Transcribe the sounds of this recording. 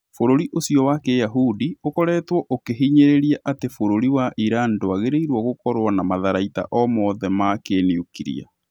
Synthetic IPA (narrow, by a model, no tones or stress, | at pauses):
foɾoɾiʔosijɔwakejaɦudiokɔɾɛtwɔʔokeɦiɲeɾeɾiaʔatefoɾoɾiwaʔiɾaːndoaɣeɾeiɾwɔɣokɔɾwanamaðaɾaita̰ʔɔmɔðɛmakeniukiɾḭa̰